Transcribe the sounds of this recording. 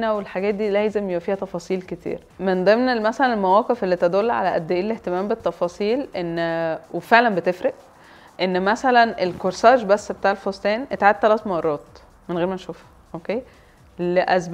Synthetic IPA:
næwelħaɡæːt̪̚d̪iːlæjzemjebæfiːhæt̪ɑfɑːsˤiːlket̪ʰḭːɾ | mend̪ˤemnelmæsælænelmæwæːqefelːit̪æd̪olːʕa̰læʔæd̪ːeʔiːleht̪emæːmbet̪ːɑfɑːsˤiːlʔenːwefeʕlænbet̪efɾeʔ | ʔenːmæsælænelkoɾsæːʒbæsːbet̪aːʕelfost̪æːnʔet̪ʕad̪̚t̪ːælæːt̪mɑrˤːɑːt̪ | menɣeːɾmænʃuːf | ʔokeː | leʔæzb

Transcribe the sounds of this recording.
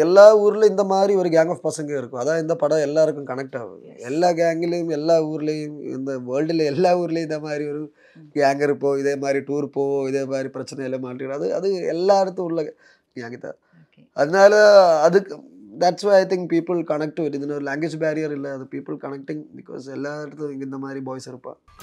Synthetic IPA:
ɛlːaːuːɾɪlɪnd̪ɐmaːd̪ɾiɔɾɯɡjaːŋɡɐːfpɐsɐŋɡɐɪɾɯkːɯ̃ɐðãːɪnd̪ɐpɐɽɐ̃ɛlːaːɾɯkːɯ̃mkɐɳɐk̚ʈa̰ːʋɯ̰ | ɛlːaːɡaːŋɡɪlejɯmɛlːaːuːɾɪlejʊ̃mɪ̰nd̪ɐʋəːɭɖɪlɛlːaːuːɾɪlɐɪnd̪ɐmaːd̪ɾiɔɾɯ | ɡaːŋɡɪɾɯpːoːɪðeːmaːd̪ɾiʈuːɾpoːɪðeːmaːd̪ɾipɪɾɐt͡ʃːɐnɐɪlːɐmaːʈːɪʈɐðɯɐ̰ðɯɛ̰lːaːɪɾɐt̪ːɐʊ̃ɔɾlɐ | ɡaːɡɪt̪ːã̰ː | ɐðɐnaːlɐðãːɐðɯkː | d̪æʈsʋɐɪɐɪt̪ɪ̃ŋkpiːpɪlkɐnɛk̚ʈːʋɪʈːɪðɐnːɔɾɯlaːŋɡwed͡ʒbaːɾijɐɾɪlːɐɐðɯpiːpɪlkɐnɛk̚ʈɪŋbɪko̰ːsɛlːaːɾt̪ːʊ̃ɪŋɡɪnd̪ɐmaːd̪ɾibaːjsɪɾɯpːã̰ː

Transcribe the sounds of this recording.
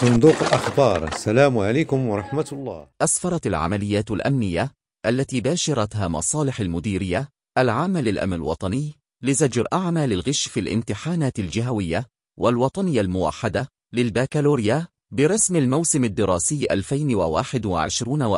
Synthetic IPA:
sˤʊnd̪uːqɪlʔaxbɑːɾˤʔasːalaːmʕalaːkʊmwɑɾˤɑħmat̪lˤːɑ̰ːʔasfɑɾˤɑt̪alʕa̰malɪjːaːt̪alʔa̰mnɪjːa | ʔalːat̪iːbaːʃɑɾˤɑt̪haːmɑ̰sˤɑːlɪħalmʊd̪iːɾɪjːa | ʔalʕaːmːalɪlʔa̰mɪ̰lwɑ̰t̪ˤɑnɪjː | lɪzad͡ʒɾʔaʕmaːlɪlɣɪʃfiːlʔɪ̰mt̪ɪħaːnaːt̪ald͡ʒɪɦawɪjːa | wʔalwɑt̪ˤɑnɪjːalmʊwa̰ħːad̪a | lɪlbaːkaloːɾɪja | bɪɾˤɑsmalmawsɪmad̪ːɪɾˤɑːsɪjːʔalfajnwawa̰ːħɪd̪wa̰ʕɪ̰ʃɾuːnw

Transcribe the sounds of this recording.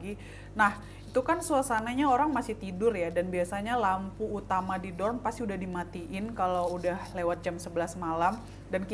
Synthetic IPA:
ɡi | nah | it̪ukansulasanaɲaoɾaŋmasɪht̪idʊrjadanbiasaɲalampuːt̪amadidɔrmpast̪iudahdimat̪iʔɪnkalawudahlewat̪̚d͡ʒamsəbəlasmalam | dank

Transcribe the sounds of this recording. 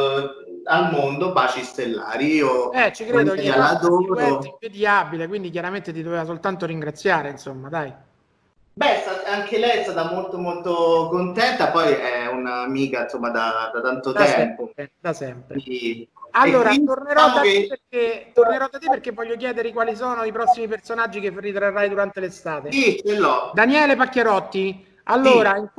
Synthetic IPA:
almond̪obat͡ʃist̪elːa̰ːɾiioɛt͡ʃikɾeːd̪oɲalad̪oɾeiɱvid̪iaːbilekwind̪ik̬jaɾament̪et̪id̪ovevas̬olt̪ant̪oɾiŋɡɾat̪sːjaːɾeinsomːad̪aj | bɛst̪at̪aŋkelɛjɛst̪aːt̪amolt̪omolt̪okont̪ɛnt̪apɔjɛunaːmiːkansomːad̪ad̪at̪ant̪ot̪aɛɛmppoɛd̪asɛmpɾ̰ | alːoːɾat̪orneɾɔdd̪aeperk̚et̪orneɾɔd̪at̪eperk̟evːɔʎːok̬jɛːd̪eɾikwaːlis̬ɔːnoipɾɔsːimipersonad͡ʒːikerːit̪ɾarːajd̪uɾant̪elest̪aːt̪esit͡ʃelːɔd̪anjɛːlepakːeɾɔt̪ːi | alːoːɾaiŋ

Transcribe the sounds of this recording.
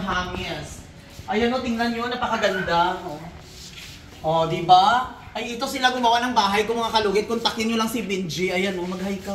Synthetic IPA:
ɦaːŋɪs | ʔɐjɐnot̪ɪŋnɐnɲonɐpɐkɐɡɐnd̪aŋo | ʔod̪ɪba | ʔɐjɪt̪osɪlaɡʊmɐwanɐŋbaːɦɐjkʊŋmɐŋakɐluɡɪd̪̚kʊnt̪ɐkɪnɲolɐŋsɪbɪnd͡ʒɪʔɐjɐnomɐɡ̚hɐjkɐ

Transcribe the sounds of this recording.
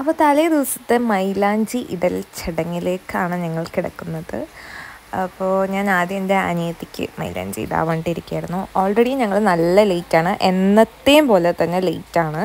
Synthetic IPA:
ɐpːoːt̪ɐlɐjɐd̪iʋɐsɐ̥t̪ːemɐjlaːɲd͡ʑiʔiɽɐlt͡ɕiɽɐŋːile̞ːkːaːɳɨɲɐŋːɐɭkiɽɐ̰kːunːɐðɨ̰ | ɐpːo̞ːɲaːnaːd̪jɐmendeɐ̰nijɐt̪ːikʲːɨ̰mɐ̰jla̰ːɲd͡ʑḭɽa̰ʋɐːɳɖiɾikʲːa̰ːjiɾunːuo̞ːlreɽiɲɐŋːɐɭnɐlːɐlejtːaːɳɨʔe̞nːɐt̪ːejumpo̞ːlet̪ɐnːe̞lejtːaːɳɨ

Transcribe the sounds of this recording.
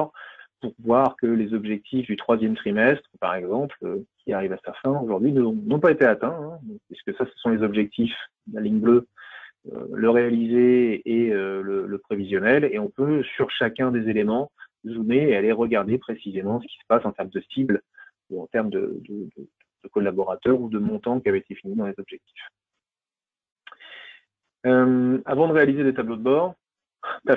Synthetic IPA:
ʁpuʁvwaʁkəlezɔbʒɛk̚t̪ʰifd̪yt̪χwazjɛmt̪χimɛst̪χəpa̰ʁɛɡzɑ̃pløkʲʰiaʁivasafɛ̃oʒuʁd̪ɥinə̃nɔ̃paet̪eat̪ɛ̃ɛ̃piskəsasə̥sɔ̃lezɔbʒɛk̚t̪if | laliɲblø | ø̰ləʁealizeː | ølələpχevizjɔnɛleɔ̃pøsyʁʃakʲɛ̃d̪ezelemɑ̃ | zumeːaleʁəɡaʁd̪epχesizemɑ̃sə̥kʲi̥sə̥pasɑ̃t̪ɛʁmd̪əsibl | uɑ̃t̪ɛʁmd̪ə̰d̪əd̪əd̪̥əd̪̥əkɔlabɔʁat̪œʁud̪əmɔ̃t̪ɑ̃kʲiavɛet̪efinid̪ɑ̃lezɔbʒɛk̚t̪ʰi̥f | ømavɑ̃d̪əʁealized̪et̪ablod̪əbɔʁ | t̪a

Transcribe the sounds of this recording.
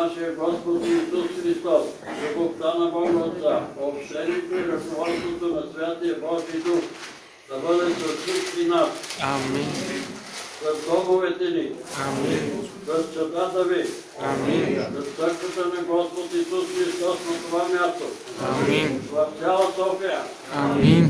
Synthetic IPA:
naʃɛəɡɔspot̪ːsusxɾist̪ɔs | kɐbokt̪anɐbɔɡot̪əopʃt̪ɛnit̪oiɾɐknovɔst̪ot̪onɐsvʲjat̪ijɐbɔʒid̪ux | d̪̥ɐbəd̪ɛsofsit͡ʃkinas | sɐzd̪ɔɡovɛt̪ɛni | sɐst͡ʃɐt̪at̪ɐvi | sɐst̪səɾkʋət̪ənɐɡɔspot̪isusxɾist̪ɔsnɐt̪ovamjast̪o | vɐft̪ʲjalˠɐsɔkejə

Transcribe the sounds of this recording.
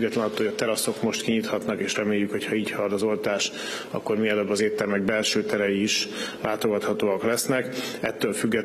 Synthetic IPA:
ɡːɛt̪lɛnɒt̪ːojɒt̪ɛɾɒso̞kmo̞ʃt̪kiɲit̪hɒt̪nɒkeːʃrɛmeːjːykho̞chɒiːchɒrd̪ɒzolt̪aːʃ | ɒ̰kːo̞rmiɛløbːɒzeːt̪ːɛrmɛɡ̚bɛlʃøːt̪ɛɾɛjiiʃlaːt̪o̞ɡɒt̪hɒt̪oːɒklɛsnɛkɛ̰t̪ːøːlfyɡːɛ

